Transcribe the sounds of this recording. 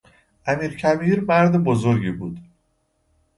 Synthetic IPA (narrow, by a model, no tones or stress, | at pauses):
ʔæmiːɾcʰæbiːɾmæɾd̪ebozoɾɟibuːd̪̥